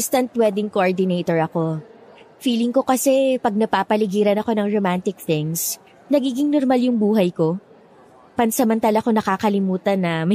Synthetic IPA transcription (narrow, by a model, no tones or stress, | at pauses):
st̪ɐnt̪wɛd̪ɪŋkoʔoɹd̪ɪnejt̪oɹɐko̞ | fiːlɪŋko̞kɐsɛpɐɡ̚nɐpapɐlɪɡiːɾɐnɐko̞nɐŋɹomant̪ɪk̚θɪŋs | nɐɡiːɡɪŋnoɾmaljʊŋbuːɦɐjko̞ | pɐnsɐmɐnt̪aːlɐko̞nɐkaːkɐlɪmuːt̪ɐnːɐmɐ